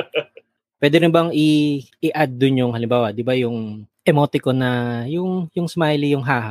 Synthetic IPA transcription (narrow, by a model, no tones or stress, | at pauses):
pwɛːd̪ɛɾɪnbɐŋɪʔɪʔad̪̚ːʊnjʊŋhɐlɪmbaːwɐd̪ɪbajʊŋʔɛmot̪ɪkonɐjʊŋjʊŋsmajlijʊŋɦaːɦɐ